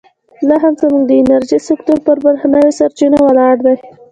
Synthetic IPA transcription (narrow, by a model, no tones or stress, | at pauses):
lɑɦamzəmuɡd̪əɪnaɾʒisɪkt̪oɾpəɾbəɾhanawesaɾt͡ʃinawəlɑɽd̪aj